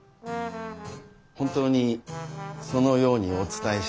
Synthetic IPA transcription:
hõnt̪o̞ːɲ̟i | so̞no̞jo̞ːɲ̟io̞t͡sɨ̥t̪aeɕ

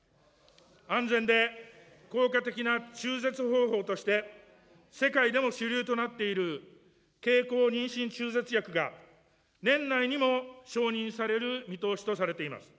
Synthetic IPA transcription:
ãnd͡zẽ̞nd̪e̞ | ko̞ːkat̪e̞kʲinat͡ɕɨːze̞t͡sɨɦo̞ːɦo̞ːt̪o̞ɕi̥t̪e̞ | se̞kaid̪e̞mo̞ɕiɾʲɨːt̪o̞nat̪ːe̞iɾɯ̟ | ke̞ːko̞ːɲ̟ĩɰ̃ɕĩɲt͡ɕɨːze̞t͡sɨjakɯ̟ɡa | nẽ̞nːaiɲ̟imo̞ɕo̞ːɲ̟ĩɰ̃saɾe̞ɾɯ̟mʲit̪o̞ːɕi̥t̪o̞saɾe̞t̪e̞ima̰sɨ̥

